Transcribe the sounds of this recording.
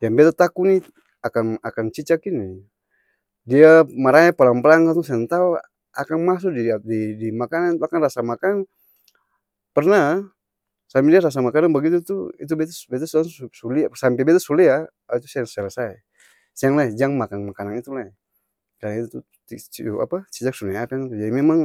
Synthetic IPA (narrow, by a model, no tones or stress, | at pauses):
jaŋbɛt̪at̪akuni | akanakant͡ʃit͡ʃakini | diamaɾajapalaŋpəlaŋkat̪usaant̪au | a̰kanmas̬ʊk̚dididimakanant̪uakanrasamakan | pərna | sampɛdiaɾas̬amakananbəɡit̪ut̪uit̪̬ubɛt̪asbɛt̪asasuliasampɛbɛt̪asulia | ait̪u̥saŋsəlasaj | sijaŋlajd͡ʒaŋmakanmakananit̪ulaj | kaɾaŋit̪ut̪u | ia̰pat͡ʃit͡ʃak̚suliaakanit̪ud͡ʒadimemaŋ